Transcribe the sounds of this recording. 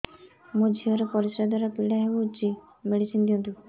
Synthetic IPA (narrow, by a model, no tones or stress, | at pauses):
mũd͡ʒʱiɔɾɔpɔɾisɾad̪waɾapiɽaɦebut͡ʃi | meɽisind̪iɔ̃nt̪u